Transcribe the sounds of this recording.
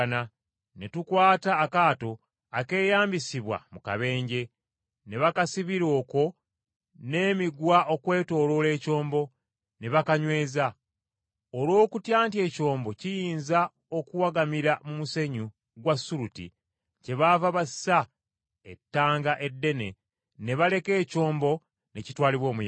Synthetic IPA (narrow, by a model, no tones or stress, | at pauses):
na | ne̞tukwaːtaːkaːto̞ | ake̞ːjaːmbisiβwa̰muka̰βe̞ːɲɟe̞ | ne̞βakasiβiɾo̞ːko̞ | ne̞ːmiɡwaʔo̞kwe̞ːto̞ːlo̞le̞ːco̞ːmbo̞ | ne̞βakaɲwe̞ːza | olwo̞ːkutjaːntje̞ːco̞ːmbo̞cijiːnza | o̞kuwaɡamiɾamumuse̞ɲu | ɡwasːuɾutḭ | ce̞βavaβasa | e̞tːaːŋɡaʔe̞dːe̞ne̞ | ne̞βale̞ke̞ːco̞ːmbo̞ | ne̞citwaːliβwo̞ːmuj